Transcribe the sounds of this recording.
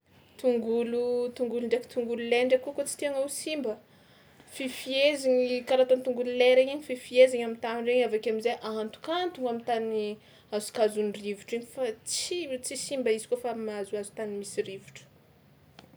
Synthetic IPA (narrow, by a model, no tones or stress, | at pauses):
t̪uŋɡulut̪uŋɡuluɳɖ͡ʐeki̥t̪uŋɡululeɳɖ͡ʐakukot͡si̥t̪iaŋawsimbə | fifieziɲikaɾat̪ont̪uŋɡululeɾeɲiɲififieziɲamint̪aminreɲavakamizeʔant̪u̥kant̪uŋamint̪ani | azu̥kazunrivuʈ͡ʂiɲifat͡sit͡sisimbəizi̥kofamaazuazu̥t̪animisirivuʈ͡ʂə̥